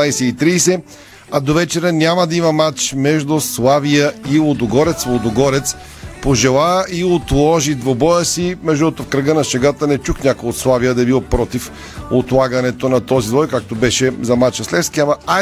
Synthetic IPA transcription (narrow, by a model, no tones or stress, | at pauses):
ajsɛit̪ɾiːsɛ | ɐd̪ovɛt͡ʃɛɾənʲamɐd̪ɐimɐmat͡ʃmɛʒd̪ʊslˠavijəilˠod̪oɡɔɾɛt̪slˠod̪ʊɡɔɾɛt̪s | poʒɛlˠaiot̪lˠɔʒid̪vobɔjəsimɛʒd̪uɛt̪ʊfkɾəɡənɐʃɛɡat̪ənɛt͡ʃuxnʲakojot̪slˠavijəd̪ɐɛbilˠpɾɔt̪if | ot̪lˠaɡɐnɛt̪onɐt̪ɔzid̪vɔjkak̚t̪obɛʃɛzɐmat͡ʃəslɛfskʲiɐmɐa